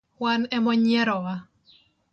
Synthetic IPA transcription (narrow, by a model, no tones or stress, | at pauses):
wanɛmɔɲɛɾɔa